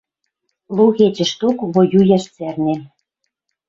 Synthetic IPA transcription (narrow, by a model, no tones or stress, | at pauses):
luɣet͡ɕə̆ʃt̪okβojujæʃt͡særnʲĕ